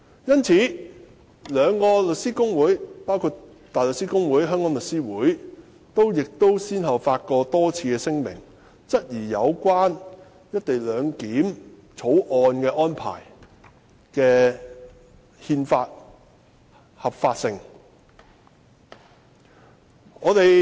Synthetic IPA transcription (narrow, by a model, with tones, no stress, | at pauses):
jɐ˥nt͡sʰiː˨˥ | lœː˨˧ŋkɔː˧lɵ˨t̚siː˥kʊ˥ŋwuː˨˥jpaː˥wkʰuː˧t | t̪aː˨jlə˨k̚siː˥kʊ˥ŋwuː˨˥jɦœː˥ŋkɔː˨˥ŋlɵ˨t̚siː˥wuː˨˥j | t̪o˥wjɪ˨k̚t̪o˥wsiː˥nɦɐ˨˩wfaː˧t̚kɔː˧t̪ɔː˥t͡sʰiː˧kɛː˧sɪ˥ŋmɪ̰˨˩ŋ | t͡sɐ˥t̚jiː˨˩jɐ˨˧wkʷaː˥n | jɐ˥t̚t̪e˨jlœː˨˧ŋkiː˨˥m | t͡sʰo˨˥wʔɔː˧nkɛː˧ʔɔː˥npʰa̰ː˨˩j | kɛː˧ | hiː˧nfa̰ː˧t̚ | hɐ˨p̚faː˧t̚sɪ˧ŋ | ŋɔː˨˧t̪e˨j